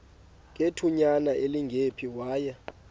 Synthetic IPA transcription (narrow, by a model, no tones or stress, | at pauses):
k̬ʼetʰuɲanaʔeliŋɡʱepʰiwaːjɛ